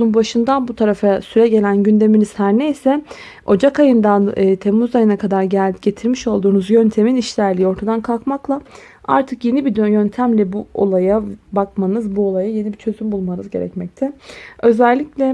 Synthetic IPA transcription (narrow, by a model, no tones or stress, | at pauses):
umbaʃɯnd̪anbut̪ʰaɾafasyɾɛɟe̞lʲænɟynd̪e̞miniz̥hæɾne̞jsɛ | o̞d͡ʒakajɯnd̪anɯːt̪ʰe̞mːuzajɯnakʰad̪aɾɟæɟe̞t̪ʰiɾmiʃo̞lˠd̪uːnuzjønt̪ʰe̞miniʃlʲæɾlʲiːio̞ɾt̪ʰad̪ankʰalˠkmaklˠa | a̰ɾt̪ʰɯkje̞nibid̪jønt̪ʰæmlʲɛbuo̞̰lˠajabakmanɯzbuo̞lˠajaje̞nibit͡ʃʰø̞zymbulˠmanɯzɟe̞ɾɛ̰cmɛc̚t̪ʰɛø̞zælʲːiclʲɛ